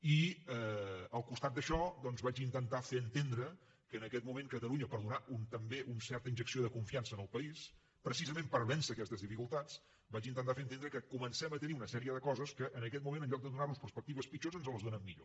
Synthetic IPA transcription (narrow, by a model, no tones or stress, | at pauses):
iəəlˠkust̪at̪̚d̪əʃɔd̪ɔnzβat͡ʃint̪ənt̪afeənt̪end̪ɾə | kəːnəkɛt̪mumeŋkət̪əluɲəpəɾðunaunt̪əmbeʔunsɛɾt̪əinʒəksioðəkuɱfiansəːnəlˠpəis | pɾəsizəmempəɾβɛnsəːkɛst̪əzðifikulˠt̪at͡s | bat͡ʃint̪ənt̪afeənt̪enɾəkəkumənsɛmət̪əniunəsɛɾiəðəkɔzəskəʔːnəkɛt̪̚mumẽnəʎɔk̚d̪əðunaɾrnuspəɾspək̚t̪iβəspit͡ʃozənzələzðonəmːiʎo̰